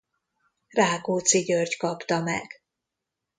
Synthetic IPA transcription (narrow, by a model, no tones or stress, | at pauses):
raːɡoːt̪siɟørckɒpt̪ɒmɛ̰ɡ̥